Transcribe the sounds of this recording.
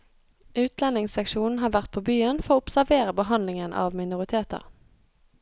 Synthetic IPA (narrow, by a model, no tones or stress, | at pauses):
ʔʉːt̪ʰlɛnɪŋsɛkʃuːn̩ɦɑːʋæʁt̪̚pʰoːbyːənfɔʁoːʊpsæʋeːʁəbəɦɑnlɪŋənʔɑ̰ːʋmɪnʊʁɪt̪ʰeːt̪ə̰ʁ